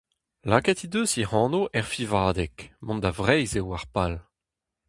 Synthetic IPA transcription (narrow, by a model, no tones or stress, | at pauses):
laːkɛt̪id̪øsihɑ̃ːnoʔɛʁfivaːd̪ɛkmɔ̃nd̪avʁɛjzewaʁpal